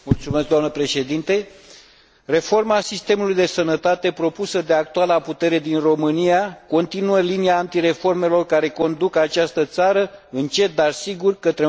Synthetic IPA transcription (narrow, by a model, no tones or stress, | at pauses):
mult̪sumesk̚d̪oamnəpɾe̞ʃe̞d̪int̪e̞ | re̞fo̞rmasist̪e̞mulujd̪e̞sənət̪at̪e̞pɾo̞pusəd̪e̞ak̚t̪ualaput̪e̞ɾe̞d̪inro̞mɨnijako̞nt̪inuəliniaːnt̪iɾe̞fo̞rme̞lo̞rkaɾe̞ko̞nd̪ukat͡ʃast̪ət̪saɾəɨnt͡ʃe̞t̪̚d̪arsiɡurkət̪ɾe